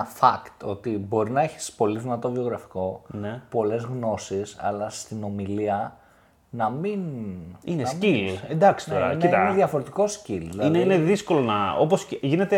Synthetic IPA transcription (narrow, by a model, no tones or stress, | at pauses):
fɐkt̪o̞t̪ibo̞ɾinɐeçi̥spo̞liðinɐt̪o̞vio̞ɣɾɐfi̥ko̞nepo̞le̞zɣno̞sisɐ̰lɐst̪ino̞miliɐ | nɐmininensiluend̪ɐksi̥noɾɐ̰iniɐineðʝɐfo̞ɾe̞t̪iko̞scilðilɐineineðisko̞lonɐoposʝine̞t̪e